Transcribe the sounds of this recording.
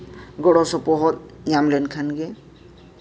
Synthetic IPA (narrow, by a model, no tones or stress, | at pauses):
ɡɔɽɔsɔpɔɦɔt̪̚ | jamlenkʰanɡe